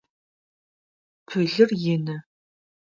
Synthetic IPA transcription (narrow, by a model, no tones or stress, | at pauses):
pʰɨɮɨrjɪnɨ